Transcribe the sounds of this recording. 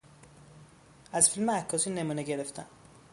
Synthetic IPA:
æzfilmeækʰːɒːsiːne̞muːneɟeɾe̞ft̪ʰæ̰n

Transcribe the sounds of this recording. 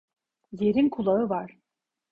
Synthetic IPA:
jeɾinkʰulˠaɯvaɾ̥

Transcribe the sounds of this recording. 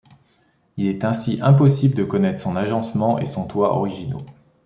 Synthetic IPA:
ilɛt̪ɛ̃siʔɛ̃pɔsibləd̪əkɔnɛt̪χəsɔ̃naʒɑ̃smɑ̃ʔḛsɔ̃t̪waʔɔ̰ʁiʒino̰

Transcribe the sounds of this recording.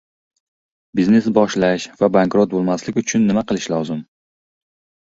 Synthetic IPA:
bizne̞sbɒʃlaʃvabaŋkɾot̪̚bolˠmaslɪkʲʊt͡ʃʰʊnːɪmaqɨlˠɪʃlɒzɪm

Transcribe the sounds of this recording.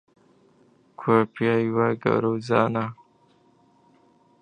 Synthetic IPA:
kʰwapjajwaɡa̰ɾozɑna

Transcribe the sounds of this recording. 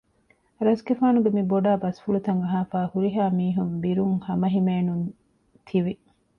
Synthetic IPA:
ɾɐsɡefaːnubemiboɖaːbɐsfuɭut̪ɐŋɐɦaːfaːhuɾiɦaːmiːɦumbiɾuŋhɐmɐɦimeːnun | t̪ʰiʋi

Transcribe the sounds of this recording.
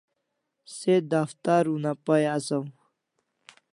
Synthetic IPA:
sed̪aft̪aɾunapajasɐw

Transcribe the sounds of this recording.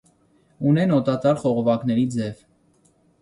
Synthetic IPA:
unɛnɔt̪ɑt̪ɑɾχɔʁɔvɑknɛɾid͡zɛv

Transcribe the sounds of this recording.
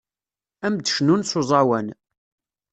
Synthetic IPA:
æmd̪əʃnunsʊzˤɑwæn

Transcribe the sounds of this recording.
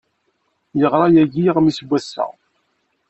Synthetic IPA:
jəʁɾˤɑjæʝiʁmisɡʷːæsːæ̰

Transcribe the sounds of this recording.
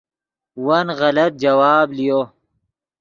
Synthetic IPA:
wɐnɣɐlɐt̪̚d͡ʒɐwaːblijo

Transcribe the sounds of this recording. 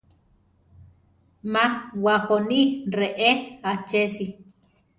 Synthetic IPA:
mãwaxonireʔeat͡ʃesi

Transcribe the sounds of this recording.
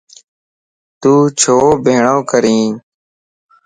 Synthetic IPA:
t̪uːt͡ʃʰoːbʱeːɳõːkəɾĩː

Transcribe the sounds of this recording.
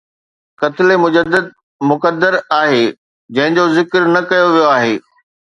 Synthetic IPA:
kɐt̪ɪlemʊd͡ʑəd̪əd̪̚ | mʊkəd̪ːəɾaːɦe | d͡ʑɐ̃ɦɪ̃d͡ʑozɪkəɾnɐkɐjoʋijoaːɦeː

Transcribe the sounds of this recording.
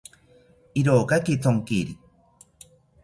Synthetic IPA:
iɾokakit͡soŋkiɾi

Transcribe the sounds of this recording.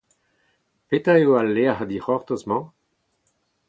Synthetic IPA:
pet̪aeoalːeahad̪iʁɔʁt̪osmɑ̃

